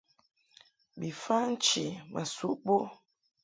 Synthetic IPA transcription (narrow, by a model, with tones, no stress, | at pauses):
bi˨fa˦n̩˦t͡ʃi˨mʔa̰˨su˦ʔbo˦